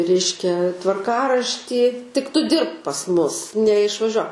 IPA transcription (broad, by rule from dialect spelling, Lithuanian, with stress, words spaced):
ˈrʲɛɪʃʲkʲɛ tʋɐrˈkɑːrɐʃʲtʲiː tʲɪk ˈtʊ ˈdʲɪrpk pɐs ˈmʊs nʲɛɪʃʋɐˈʒʲuɔ